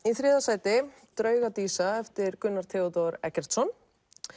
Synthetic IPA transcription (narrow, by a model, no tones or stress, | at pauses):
iθɾɪːðasaːjt̪ɪ | t̪ɾœːɥɣat̪iːsaɛft̪ɪɾkʏnːaɾ̥t̪ʰɛːɔt̪owɾɛ̰cɛɾ̥t̪sɔn